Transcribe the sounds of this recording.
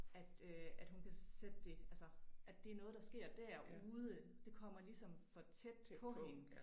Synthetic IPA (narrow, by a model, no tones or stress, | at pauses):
æd̥øæd̥ɦunkʰæsed̥̚d̥e̝ælsɐʔæd̥e̝æɐnɔ̽ðˠd̥ɑ̈sɡ̥e̝ɐ̰d̥æɐuːð̞ˠəəd̥e̝kʰɒ̽m̰ɐlisɒ̽mfɒ̽t͡sʰed̥pʰɒ̽ɦe̝nə